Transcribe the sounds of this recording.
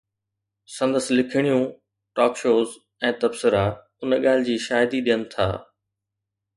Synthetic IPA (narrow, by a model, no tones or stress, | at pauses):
sɐ̃nd̪əslɪkʰɪɽ̃ijũ | ʈɔːkʃoːz | ɛ̃ːt̪ɐbsɪɾa | ʊnɠaːl̤ɪ̆d͡ʑiːʃaːjɪd̪iɗijənɪ̆t̪ʰa̰ː